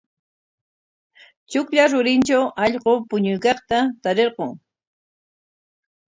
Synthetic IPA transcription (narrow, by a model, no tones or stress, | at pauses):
t͡ʃʊkʎaɾʊɾɪnt͡ʃawʔɑʎɢopʊɲʊjkɑχt̪at̪aɾeɾqʊŋ